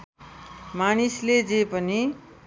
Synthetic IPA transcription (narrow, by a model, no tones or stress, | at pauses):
manisled͡zepʌni